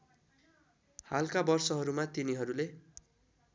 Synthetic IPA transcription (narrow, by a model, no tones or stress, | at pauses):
halkabʌrsʌɦʌɾumat̪iniɦʌɾule